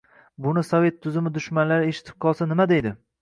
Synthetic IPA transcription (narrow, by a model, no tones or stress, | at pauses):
bʊnɪsove̞t̪ʰːʊzɪmɪd̪ʊʃmanlaɾɪeʃɪ̥t̪ʰɪ̥b̥̚qʰɒlˠsanɪmad̪ejd̪ɪ